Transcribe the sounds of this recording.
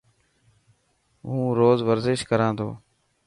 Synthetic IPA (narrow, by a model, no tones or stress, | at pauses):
ɦũːɾoːzʋəɾzɪʃkəɾãːnt̪ʰo̰ː